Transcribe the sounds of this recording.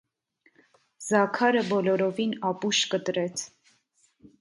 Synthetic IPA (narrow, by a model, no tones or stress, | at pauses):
zɑkʰɑɾəbɔlɔɾɔvinɑpuʃkət̪ɾɛt͡sʰ